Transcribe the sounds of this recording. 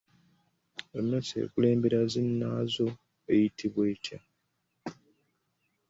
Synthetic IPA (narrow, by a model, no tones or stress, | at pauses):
onːosḛːkule̞ːmbe̞ɾazinːazo̞ | ejitʰiβweːtja